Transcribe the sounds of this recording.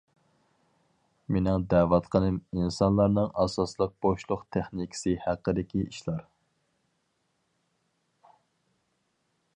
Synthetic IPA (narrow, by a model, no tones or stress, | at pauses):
menɪŋd̪æːwɑt̪qʰənɨminsɑnlˠɑɾnɨŋɑsɑslˠəq̚b̥oʃlˠʊqt̪ʰæχnikʲʰɪ̥sɨhæqːəd̪ɪkʲiiʃlˠɑɾ